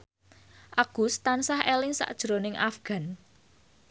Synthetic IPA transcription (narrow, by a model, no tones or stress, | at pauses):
ʔaɡ̥ṳst̪ansahelɪŋsa̰ʔd̥ʒ̥ɾonɪŋʔafɡ̥a̤n